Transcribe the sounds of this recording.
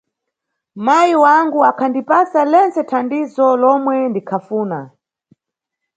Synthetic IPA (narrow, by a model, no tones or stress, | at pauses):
majiwaŋɡuakʰandipasalɛnt͡sɛtʰandizɔlɔmwɛndikʰafuːna